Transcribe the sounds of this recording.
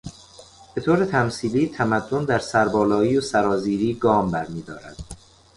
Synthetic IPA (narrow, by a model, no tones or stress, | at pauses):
b̥e̞t̪ʰoːɾet̪ʰæmsiːliːt̪ʰæmæd̪ːond̪æɾsæɾbɒːlɒːiːosæɾɒːziːɾiːɡɒːmbæɾmiːd̪ɒːɾæ̰d̪̥